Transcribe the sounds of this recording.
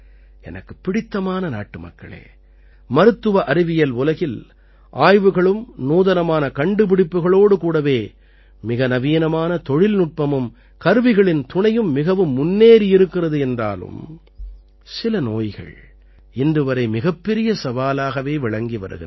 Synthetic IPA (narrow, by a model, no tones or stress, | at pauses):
ɛ̰nɐkːɯ̥pːɪɽɪt̪ːɐmaːnɐna̰ːʈːɯmɐ̰kːɐ̰ɭḛː | mɐɾɯt̪ːɯʋɐʔɐɾɪʋɪjɐlʊlɐɣɪl | ʔaːjʋɯɣɐɭɯmnuːðɐnɐmaːnɐkɐɳɖɯpɪɽɪpːɯɣɐɭoːɽɯkuːɽɐʋeː | mɪɣɐnɐʋiːnɐmaːnɐt̪ɔɻɪlnʊʈ̚pɐmɯm | kɐɾɯʋɪɣɐɭɪnt̪ʊɳɐjɯmːɪɣɐʋɯmːʊnːeːɾiɪɾɯkːɪrɐðɯɛndra̰ːlɯ̰m | sɪlɐno̰ːjɣɐ̰ɭ | ɪnd̪ɯʋɐɾɐɪmɪɣɐpːɛɾɪjɐsɐʋaːlaːɣɐʋeːʋɪɭɐŋɡiʋɐ̰ɾɯ̰ɣɪn